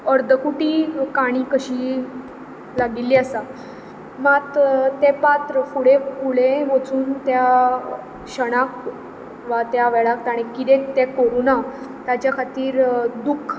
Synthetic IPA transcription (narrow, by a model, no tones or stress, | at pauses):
əɾd̪ʱəkuʈiːkaɽ̃iːkəɕiː | laɡilːiːəsa | mat̪t̪epat̪ɾəfuɽẽfuɽẽʋət͡suːnt̪ja | ɕəɽ̃ak | ʋat̪jaʋɛɭak̚t̪aɽ̃ikid̪ẽt̪ɛkoɾunat̪jat͡ɕjakʰat̪iːɾd̪ukʰ